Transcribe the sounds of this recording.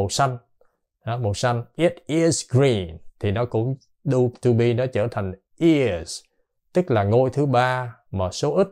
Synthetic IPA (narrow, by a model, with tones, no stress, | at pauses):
o˨˩sa˧jŋ̟ | a˨˦mo˨˩sa˧ŋʔi˨˦˥t̚ʔi˧zɡɹi˧˩nt̪ʰi˨˩nɔ˨˦kʊ̰˧˥ŋ͡m | ɗu˧t̪u˧ɓi˧nɔ˨˦t͡ɕəː˧˩t̪ʰa˨˩jŋ̟ | ʔi˧˩z | t̪ɨ˦˥k̚laː˨˩ŋo˧jt̪ʰɨ˨˦ɓaː˧ | maː˨˩so˨˦ʔi˦˥t̚